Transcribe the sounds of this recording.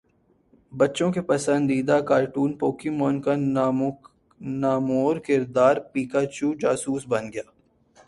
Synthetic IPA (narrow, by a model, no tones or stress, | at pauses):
bɐtːʃõkepɐsə̃nd̪iːd̪akaːɾʈuːnpoːkɪmɔːnka | naːmoːɾkɪɾd̪aːɾpiːkat͡ʃuːd͡ʒaːsuːsbɐnɡɐjaː